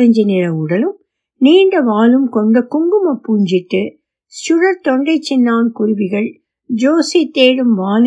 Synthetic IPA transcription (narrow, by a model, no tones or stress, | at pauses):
ɐɲd͡ʒɐnɪɻɐʊɽɐlɯm | niːɳɖɐʋaːlɯmkɔɳɖɐkʊŋɡɯmɐpːuːɲd͡ʒɪʈːɯ | sʊɽɐɾt̪ɔɳɖɐɪt͡ʃːɪnːaːnkʊɾʊʋɪɣɐɭ | d͡ʒoːsit̪ːeːɽɯmʋaːl